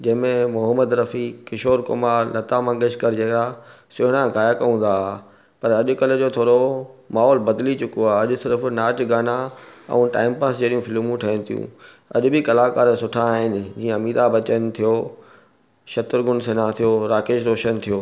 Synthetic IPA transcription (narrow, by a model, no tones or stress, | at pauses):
d͡ʑɐ̃ɦmẽmʊɦəməd̪ɾɐfikɪʃoːɾkʊ̰maːɾlɐt̪amãːŋɡeʃkəɾd͡ʑeːka | sʊɦɽ̃ãɡaːjakɐũːn̆d̪aː | pɐɾɐʄʊkɐled͡ʑoːt̪ʰoːɽomaːɦɔːlbɐd̪lit͡ɕʊkoaːɐʄʊsɪɾfnaːtɡaːnãɛ̰̃ũʈa̰ːɪmpaːsd͡ʑeːɗijũfɪlmũʈʰɐə̃nɪ̃t̪ʰijṵ̃ | ɐ̰ʄʊ̆bɪkɐlaːkaːɾsʊʈʰãaːɦɪnɪ̆d͡ʑiːə̃ɐmiːɾabɐt͡ɕənt̪ʰijoː | ʃɐt̪ʊɾɡʊnsenat̪ʰijoːɾaːkeːʃɾoːʃənt̪ʰijoː